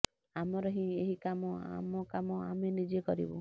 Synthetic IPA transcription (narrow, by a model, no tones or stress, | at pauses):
amɔɾɔɦĩeɦikamɔa̰mɔkamɔamenid͡ʒekɔɾḭbṵ